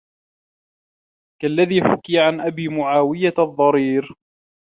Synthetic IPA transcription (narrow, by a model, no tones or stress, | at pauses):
kalːaðiːħʊ̰kiːʕanʔabiːmʊʕaːwɪjaðˤːɑɾiːɾ